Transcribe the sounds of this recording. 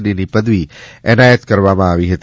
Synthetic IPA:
dinipəd̪ʋiɛnajət̪kəɾʋamãːʋiɦət̪

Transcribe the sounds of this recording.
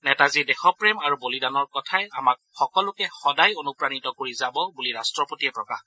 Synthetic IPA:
nɛtazidɛxɔpɹemaɹubolidanɔɹkɔtʰaɛamak̚xɔkɔlʊkɛxɔdajonupɹanitɔkoɹizabɔbuliɹastɹɔpotiɛpɹɔkah

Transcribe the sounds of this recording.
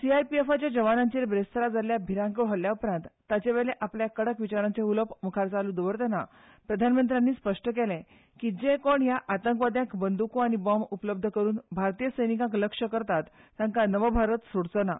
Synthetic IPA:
siajpiefat͡ɕjad͡ʑəʋanãɲt͡ɕiːɾbɾest̪ʰəɾad͡zaljabʱiɾãŋkeɭ̤ɦəljaupɾãnt̪ːat͡ɕeʋeɭɭeʔapljakəɽəkʋit͡ɕaɾãnt͡seuləpməkʰaɾt͡salũd̪əʋəɾt̪əna̰ | pɾəd̪ʱanmənt̪̬ɾjanːiːspəʂʈəkelẽ | kid͡ʑekoɳjaʔat̪əŋkʋad̪jãkbənd̪ukuaɽ̃ibɔmupləb̚d̪ʱəkəɾuːnbʱaɾt̪ijəsəjnikãkləkʂəkəɾt̪at̪ːjaŋkanəʋəbʱaɾət̪soɽt͡səna̰

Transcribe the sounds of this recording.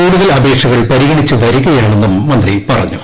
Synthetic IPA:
uːɽuðɐlɐbʱeːkʂɐɣɐɭpɐɾiɣɐɳit͡ɕːɨʋɐɾikʲːɐjaːɳenːumːɐnd̪ripɐrɐɲːu̥

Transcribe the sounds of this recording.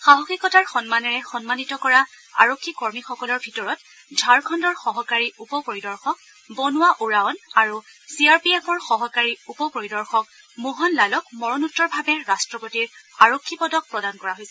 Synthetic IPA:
xaɦɔxikɔtaɹxɔnmanɛɹɛxɔnmanitɔkɔɹa | a̰ɹokʰːikɔɹmixɔkɔlɔɹbʱitɔɹɔt | dʱaɹkʰɔndɔɹxɔɦɔkaɹiʔupɔpoɹidɔɹxɔk̚ | bɔnʊwaʔuɹaɔnaɹu | siaɹpiepʰɔɹxɔɦɔkaɹiupɔpoɹidɔɹxɔk̚ | moɦɔnlalɔkmɔɹɔnutːɔɹbʱabɛɹastɹɔpotiɹaɹokʰːipɔdɔk̚pɹɔdankɔɹaɦojsɛ

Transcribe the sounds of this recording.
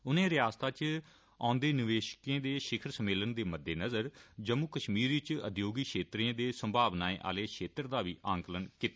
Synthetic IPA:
ʊnẽːɾɪjaːst̪aːt͡ʃ | ã̰ːnd̪eːnɪʋeːʃkẽːd̪eːʃɪkʰəɾsəmeːlənd̪eːməd̪ʱːeːnəzəɾd͡ʒəmʊkəʃmiːɾit͡ʃəd̪joːɡiːkʃeːt̪ɾiãːd̪eːsəmbʱaːʋnaːẽːʔa̰ːleːkʃeːt̪ɾd̪aːʋiːʔaːŋkələnkit̪ː

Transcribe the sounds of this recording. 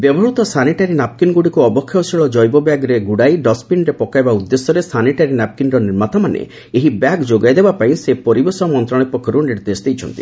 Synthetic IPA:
bjebɔɦɾut̪ɔsaniʈaɾinap̚kinɡuɽikuɔbɔkʰːjɔsiɭɔd͡ʒɔjbɔbjaɡɾeɡuɽajɖɔspinɾepɔkajbaud̪ːesɔɾesaniʈaɾinap̚kinɾɔniɾmat̪ɔmanḛ | eɦibjaɡd͡ʒoɡajd̪ebapaĩsepɔɾibesɔmɔnt̪ɾɔɽ̃ipɔkʰːɔɾuniɽd̪esd̪ijt͡ʃʰɔnt̪ḭ

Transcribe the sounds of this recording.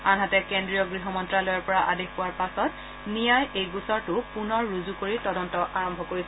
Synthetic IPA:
anɦatɛkendɹijɔɡɹiɦɔmɔntɹalɔjɔɹpɔɹaʔadexpʊwaɹpasɔt | nijajejɡusɔɹtʊpunɔɹːuzukoɹitɔdɔntɔʔaɹɔmbʱɔkoɹisɛ

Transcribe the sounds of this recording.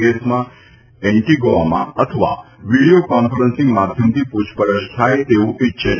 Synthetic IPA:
ɡesmã | ɛɳʈiɡoamã̰ət̪ʰəʋa̰ʋiɽijokɔnfəɾənsɪ̃ŋɡmad̪ʱjəmt̪ʰipud͡ʒʰpəɾəʃt̪ʰajt̪eʋũʔitːʃʰe

